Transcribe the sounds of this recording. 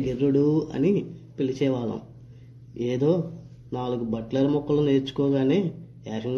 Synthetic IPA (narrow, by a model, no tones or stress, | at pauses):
ɡeɾːuɽuɐ̰nipilit͡ʃɛːʋaːlɐ̰m | eːd̪o̞ː | naːluɡubɐʈlɐɾmɔkːɐlɐneːɾt͡ʃu̥kɔːɡaːne̞ː | aːʂɐŋɡ